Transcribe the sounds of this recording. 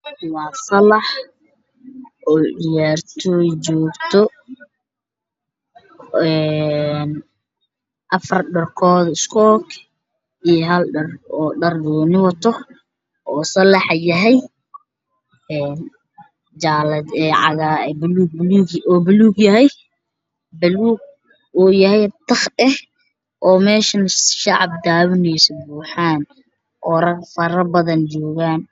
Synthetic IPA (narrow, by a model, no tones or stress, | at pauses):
wɑːsɐlɑħ | ʔɔːɖɪjaːrt̪ʰɔjt͡ʃɔːɡt̪ʰɔ | ɛn | ʔɐfɐrɖɐrkʰɔːðɪskʰɔːkʰ | ijɔɦɐlɖɐrɔːɖɐrdɔːnɪwɑt̪ʰɔ | ʔɔːsɐlɑħjɐɦɛj | ɛːn | d͡ʒaːlɐd̪ɛʕɑ̰ɣaːbluɡ̚bluːɡɔːbʊluːɡjɐɦɛj | bɐluːɡ̚ | uːjɐhɛjt̪ʰɐχɗɛh | ʔɔːmɛːʃɐnʃɑʕɑb̚d̪aːβɪnɛjsɔbuːħaːn | ʔɔːɾɐɡfɐɾɐbɐðɐnt͡ʃɔːɣaːn